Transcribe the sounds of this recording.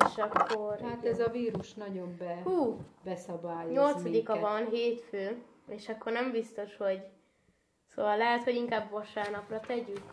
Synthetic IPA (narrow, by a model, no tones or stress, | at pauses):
eʃɒkːo̞rhat̪ɛzɒviːɾuʃnɒɟo̞mbɛhuːbɛsɒbaːjoɲo̞lt̪sɒd̪ikɒvɒnɦeːt̪føː | eːʃɒkːornɛmbist̪o̞ʃho̞ɟ | so̰ːʋvɒlːɛɦɛt̪ho̞ɟiŋkaːbvɒʃaːrnɒprɒt̪ɛɟyk